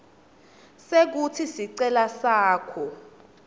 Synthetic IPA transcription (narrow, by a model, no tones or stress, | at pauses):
sek̬utʰisiǀɛlasaːkʰɔ